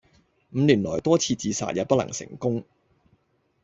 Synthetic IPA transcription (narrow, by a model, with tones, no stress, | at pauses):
m̩ː˨˧liː˨˩nlɔ̰ː˨˩jt̪ɔː˥t͡sʰiː˧t͡siː˨sa̰ː˨t̚jɐ˨˧wpɐ˥tlɐ̰˨˩ŋsɪ̰˨˩ŋkʊ˥ŋ